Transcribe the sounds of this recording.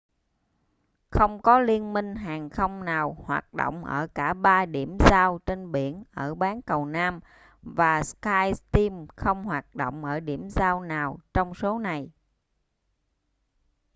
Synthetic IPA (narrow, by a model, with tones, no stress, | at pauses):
xə˧wŋ͡mkɔ˨˦li˧ənmï˧ŋ̟ɦaː˨˩ŋxə˧wŋ͡mnaː˨˩whwa̰ː˨˩t̚ɗo̰˧˨wŋ͡mʔə̰ː˧˩kaː˧˩ɓaː˧ɗi˧˩əmzaː˧wt͡ɕe˧nɓi˧˩ənʔəː˧˩ɓaː˨˦nkə˨˩wnaː˧m | vaː˨˩skaː˧jt̪i˧mxə˧wŋ͡mhwaː˨˩t̚ɗo̰˧˨wŋ͡mʔəː˧˩ɗi˧˩əmzaː˧wnaː˨˩wt͡ɕɔ˧wŋ͡mso˨˦na˨˩j